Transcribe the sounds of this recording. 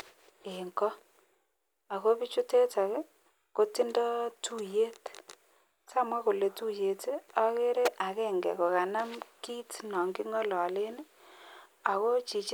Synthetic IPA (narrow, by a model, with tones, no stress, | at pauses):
e˨ŋkɔ˦ | a˨ko˦pi˦t͡ʃu˦te˦ta˨kɛ˦ | ko˦ti˦ndɔ˦tu˦je˦t | sa˦˨mwa˦ko˨le˨tu˦je˨te˦ɔ˦ke˦ɾe˦ʔa˨kɛ˦ŋɡɛ̰˨ko˨ka˨na˦mki˦tnɔ˨ŋɡɪ˦ŋɔ˦lɔ˨le˦nɪ˦ | a˨ko˦t͡ʃi˨t͡ʃ